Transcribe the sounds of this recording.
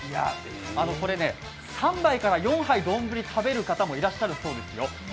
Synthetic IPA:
ija̰ | ano̞ko̞ɾe̞ne̞ | sãmbaikaɾajõ̞ɰ̃ɦaid̪õ̞mbɯ̟ɾʲit̪ʰabe̞ɾɯ̟kat̪amo̞iɾaɕːaɾɯ̟so̞ːd̪e̞sɨjo̞

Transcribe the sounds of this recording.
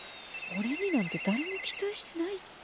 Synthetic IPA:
oɾe̞ɲ̟inãnt̪e̞d̪aɾemokʲi̥t̪aɕi̥tenait̪ː

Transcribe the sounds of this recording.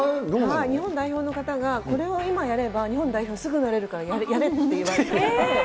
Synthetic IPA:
oaiɲ̟iɦõ̞nd̪aiço̞ːno̞kat̪aɡako̞ɾe̞o̞imajaɾe̞baɲ̟ihõ̞nd̪aiço̞ːsɨɡɯ̟naɾe̞ɾɯ̟kaɾajajaɾe̞t̪ːejiβaɾeee

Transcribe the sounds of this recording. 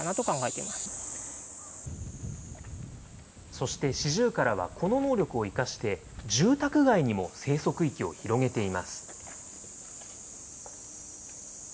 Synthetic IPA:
anat̪o̞kãŋɡaet̪e̞imasɨ̥ | so̞ɕi̥t̪e̞ɕiʑɨːkaɾaβ̞a̰kʰo̞no̞no̞ːɾʲo̞kɯ̟o̞ikaɕi̥t̪e̞ | d͡ʑɨːt̪akɯ̟ɡaiɲ̟imo̞se̞ːso̞kɯ̟ikʲio̞çiɾo̞ɡe̞t̪e̞imasɨ̥

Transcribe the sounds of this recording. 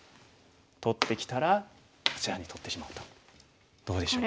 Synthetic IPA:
t̪o̞t̪ːe̞kʲi̥t̪aɾa | ɯ̥t͡ɕiɾaɲ̟it̪o̞t̪ːe̞ɕimaɯ̟̥t̪o̥ | d̪̥o̞ːd̪e̞ɕo

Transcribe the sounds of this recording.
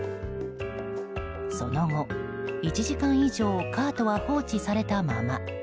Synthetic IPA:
so̞no̞ŋo̞ | it͡ɕiʑikãɰ̃iʑo̞ːkʰaːt̪o̞βaɸo̞ːt͡ɕisaɾe̞t̪amama

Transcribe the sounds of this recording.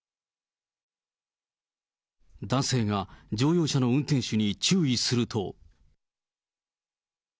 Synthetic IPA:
d̪ãɰ̃se̞ːɡad͡ʑo̞ːjo̞ːɕano̞ɯ̟̃nt̪ẽ̞ɰ̃ɕɨɲ̟it͡ɕɨːisɨɾɯ̟t̪ʰo̞̰

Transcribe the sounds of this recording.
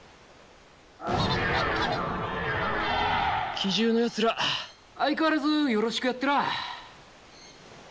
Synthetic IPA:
kʲʰiʑɨːnojat͡sɨɾa | aikaɾezɨjo̞ɾo̞ɕi̥kɯjat̪ːeɾa

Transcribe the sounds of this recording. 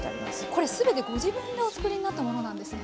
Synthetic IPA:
t̪a̰ɾʲimasko̞ɾe̞sɨbe̞t̪e̞ɡo̞ʑibɯ̟̃nd̪eot͡sɨ̥kɯ̟ɾʲiɲ̟inat̪ːamo̞no̞nãnd̪e̞sɨne

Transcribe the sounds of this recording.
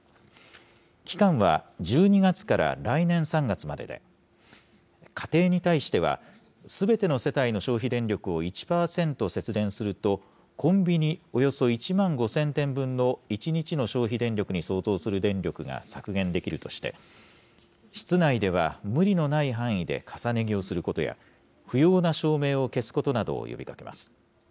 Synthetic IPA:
kʲi̥kãɰ̃β̞a̰d͡ʑɨːɲ̟iɡat͡sɨ̥kaɾa̰ɾainẽ̞ɰ̃sãŋɡat͡sɨmad̪e̞d̪e̞̰ | kʰḁt̪e̞ːɲ̟it̪aiɕi̥t̪e̞β̞a̰ | sɨbe̞t̪e̞no̞se̞t̪aino̞ɕo̞ːçid̪ẽ̞ɲɾʲo̞kɯ̟o̞it͡ɕi̥paːsẽ̞nt̪o̞se̞t͡sɨd̪ẽ̞ɰ̃sɨɾɯ̟t̪o̞ | kʰõ̞mbʲiɲ̟io̞jo̞so̞it͡ɕimãŋɡo̞sẽ̞nt̪ẽ̞mbɯ̟̃nːo̞it͡ɕiɲ̟it͡ɕino̞ɕo̞ːçid̪ẽ̞ɲɾʲo̞kɯ̟ɲ̟iso̞ːto̞ːsɨɾɯ̟d̪ẽ̞ɲɾʲo̞kɯ̟ɡa̰sakɯ̟ɡẽ̞nd̪e̞kʲiɾɯ̟t̪o̞ɕi̥t̪e̞̰ | ɕi̥t͡sɨnaid̪e̞β̞a̰mɯ̟ɾʲino̞naiɦãɰ̃id̪e̞̰kʰasane̞ɡʲio̞sɨɾɯ̟ko̞t̪o̞̰ja̰ | ɸɯ̟jo̞ːnaɕo̞ːme̞ːo̞ke̞sɨ̥ko̞t̪o̞nad̪o̞̰ːjo̰bʲikake̞̰ma̰sɨ̥

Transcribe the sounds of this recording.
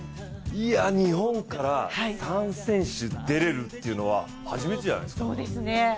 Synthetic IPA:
iaɲ̟ihõ̞ŋkaɾahasãɰ̃sẽ̞ɰ̃ɕɨd̪e̞ɾe̞ɾɯ̟t̪ːe̞iɯ̟no̞βa | haʑime̞t̪ed͡ʑã̰na̰jskoːd̪esɨne

